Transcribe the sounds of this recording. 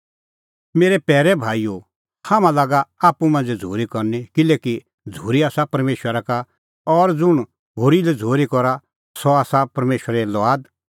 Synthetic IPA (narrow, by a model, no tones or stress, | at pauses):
meːɾɛpɛːɾɛbʱaːijo | haːmãlaːɡaaːpumɐ̃nd͡zd͡zʱoːɾikɔɾnikɪleːki | d͡zʱuːɾiaːsapɐɾmeːʃwəɾaka | ɔɾd͡zʊɽ̃ | ɦoɾilɛd͡zʱoːɾikɔɾa | sɔaːsapɐɾmeːʃwəɾɛlɔaːd̪